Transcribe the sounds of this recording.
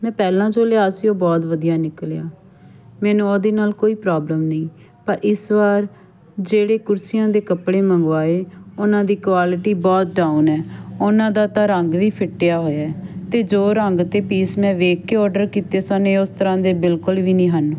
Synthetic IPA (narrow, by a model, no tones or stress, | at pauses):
mɛ̃ːpɛːlãːd͡ʒoːleaːsɪõːbɔːt̪ʋəd̪ijaːnɪkljaː | mɛ̃ːnũːod̪eːnaːlkoːiːpɾaːbləmnəĩː | pəɾʔɪsʋaːɾ | d͡ʒeːɽeːkʊɾsijãːd̪eːkəpɽeːməŋɡʋaːeːʊnãːd̪iːkʋaːlɪʈiːbɔːt̪̚ɖaːunɛːʊnãːd̪aːt̪ãːɾəŋɡʋiːpʰɪʈːjaːɦoːjaɛt̪eːd͡ʒoːɾəŋɡt̪eːpiːsmɛ̃ːʋeːkːeːɔːɾɖəɾkiːt̪eːsanẽːʊst̪əɾãːd̪eːbɪlkʊlʋiːnĩːɦən